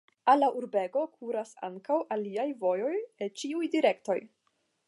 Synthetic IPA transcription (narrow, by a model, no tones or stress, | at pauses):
alːaʔuɾbe̞ɡo̞kʰuɾasa̰ŋkawʔaliajvo̞jo̞jet͡ʃiujdiɾe̞kto̞j